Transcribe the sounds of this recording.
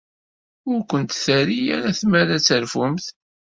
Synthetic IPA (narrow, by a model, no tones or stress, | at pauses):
ʊɾkʷənt̪θæɾijæ̰ɾæθmæɾæt͡sːəɾfʊmθ